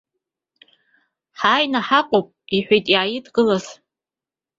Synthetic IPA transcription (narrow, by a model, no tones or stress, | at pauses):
ħaːjnaħaqʷʼowpʼiħʷᶣejtʼiʕajɪdɡɨlaz̥